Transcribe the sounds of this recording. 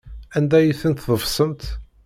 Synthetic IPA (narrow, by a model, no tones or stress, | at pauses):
ænd̪æjiθənt̪ðˤəvsˤəmt̪